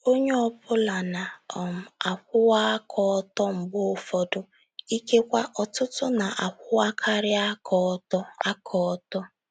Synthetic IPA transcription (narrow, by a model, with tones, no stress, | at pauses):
o˦ɲe˦ɔ˦pʊ˦la˨na˨ɔ˨m̩˨a˨kʷʊ˦wa˦kʰɔ˦ɔ˦tɔ˦m̩˨ɡ͡bo˦˨fɔ˨dʊ˨ | i˦ke˦kʷa˦ʔɔ˨tʊ˦tʊ˦na˨ʔa˨kʷʊ˦wa˦kʰa˦ɾɪ˦a˦kɔ˨˦tɔ˦a˦kʰɔ˨˦tɔ˦